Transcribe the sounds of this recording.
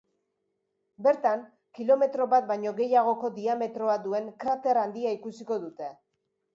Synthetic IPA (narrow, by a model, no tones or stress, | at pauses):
be̞ɾt̪aŋ | kilo̞me̞t̪ɾo̞βat̪̚bajɲo̞ɣe̞jaɣ̞o̞ko̞d̪iame̞t̪ɾo̞ad̪ue̞ŋkɾat̪e̞ɾand̪iaikusiko̞ðut̪e̞